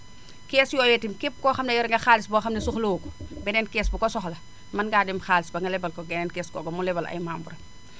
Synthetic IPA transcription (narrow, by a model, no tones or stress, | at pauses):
kɛːsjɔːjɛtimkip̚kɔːxɐmnɐjɔɾɛŋɡɐxaːlisbɔxɐmnɐsuxloːku̥bɛnɛnkɛːsbukɔsɔxlɐ | mɐnɡaːdɛmxaːlisbɐŋɡɐlɛbɐlkɔɡɛnɛnkɛːskɔ̰ːɡɐmulɛbɐlʔɐ̰jmaːmbuɾɐ